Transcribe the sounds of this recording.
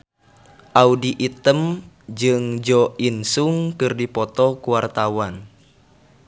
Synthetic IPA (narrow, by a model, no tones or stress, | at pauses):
ʔaudiʔit̪əm | d͡ʒɨŋd͡ʒɔinsuŋkɨrdipɔt̪ɔkuwart̪awan